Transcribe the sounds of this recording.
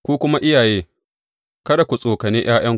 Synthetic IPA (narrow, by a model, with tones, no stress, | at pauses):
kʷuː˦kʷʊ˦ma˦ʔɪ˦jaː˨jeː˦ | kɐ˦da˨kʷu˨sʼoː˨kɐ˨neː˦j̰aː˦j̰ɐ˦ŋ